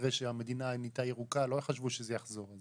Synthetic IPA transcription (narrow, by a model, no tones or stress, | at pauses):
ʁeʃeame̞d̪inanit̪ajeʁukalo̞χaʃvuʃezejaχzo̞ʁaz